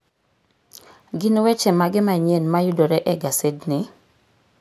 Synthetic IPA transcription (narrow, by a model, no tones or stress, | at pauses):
ɡɪnwɛt͡ʃɛmaɡɪmaɲenmajudoɾɛʔɛɡasednɪ